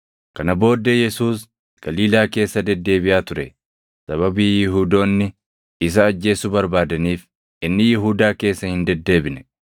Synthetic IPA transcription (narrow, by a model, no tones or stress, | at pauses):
kɐnɐbo̞ːd̪ːɛjɛsuːs | ɡ̥ɐliːlaːke̞ːsːɐd̪ɛd̪ːe̞ːbɪʔaːt̪ʊɾɛ | sɐβɐbiːjɪɦuːd̪o̞ːnːɪ | ɪs̬ɐːd͡ʒːe̞ːsʊbɐɾbaːd̪ɐniːf | ɪnːɪjɪɦuːd̪aːke̞ːsːɐhɪnd̪ɛd̪ːe̞ːbɪnɛ̥